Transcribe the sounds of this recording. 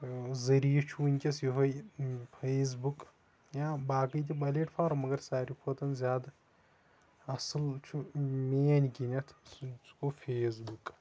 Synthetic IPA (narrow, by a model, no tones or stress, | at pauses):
zɐɾijɐt͡ʃʰunʲkʲɐsjiɦojpʰeːs̬buk | jãːbaːkəjt̪ibɐleʈpʰaːɾmɐɡɐɾsaːɾipʰoːt̪ɐnzʲjaːd̪ | ɐsɐlt͡ʃʰumeːnʲkinʲɐt̪ʰkopʰeːsbuk